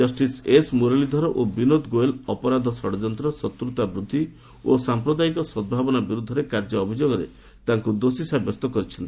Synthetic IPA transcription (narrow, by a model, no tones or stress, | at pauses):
d͡ʒʌsʈisesmoɾalid̪ʱɔɾɔʔobinod̪ɡoelɔpɔɾad̪ʱɔsɔɽɔd͡ʒɔnt̪ɾɔsɔt̪ɾut̪abɾud̪ʱːi | osampɾɔd̪aikɔsɔd̪̚bʱabɔnabiɾud̪ʱɔɾekaɾd͡ʒɔːbʱid͡ʒoɡɔɾḛ | t̪aŋkud̪osisabɔst̪ɔkɔɾit͡ʃʰɔnt̪i